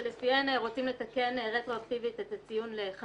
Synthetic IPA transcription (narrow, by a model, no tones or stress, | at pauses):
lefienʁo̞t͡simle̞t̪ake̞nʁe̞t̪ʁo̞akt̪ivit̪et̪at͡sijunleχa